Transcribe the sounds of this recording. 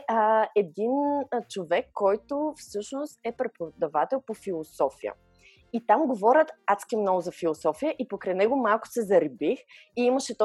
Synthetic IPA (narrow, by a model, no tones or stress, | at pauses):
ɛd̪int͡ʃovɛkːɔjt̪ofsɤʃnost̪ɛpɾɛpod̪ɐvat̪ɛlˠpofilˠosɔfijə̰ | it̪amɡovɔɾʲət̪at̪kʲiɛmnɔɡʊzɐfilˠosɔfijəʔipokɾɛnɛɡʊmalˠkʊ̥sɛzɐɾibix | iiməʃɛt̪ɔ